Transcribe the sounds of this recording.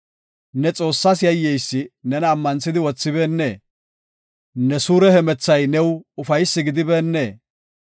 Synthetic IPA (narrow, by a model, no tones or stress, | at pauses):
nɛt͡sʼo̞ːsːɐsjɐjːɛjsːɪnɛnɐːmːɐnsɪd̪ɪwɔt͡sːɪbeːnːe̞ː | nɛsuːɾɛhɛmɛt͡sːɐjnɛwʊfɐjsːɪɡɪd̪ɪbe̞ːnːeː